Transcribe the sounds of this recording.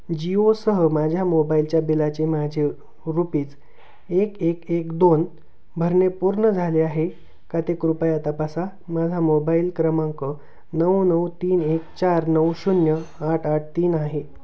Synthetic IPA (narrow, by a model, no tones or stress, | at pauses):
d͡ʑiosəɦəmad͡ʑʱjamobailt͡ɕjabilat͡ɕemad͡ʑʱe | ɾupiːt͡s | ekekekd̪on | bʱəɾɳepuɾɳəd͡zʱaleaɦe | kat̪ekɾupəjat̪apasa | mad͡zʱamobailkɾəmãŋkə | nəwnəwt̪iːnekt͡ɕaɾnəwɕunjəaʈʰaʈ̚ʰt̪iːnaɦe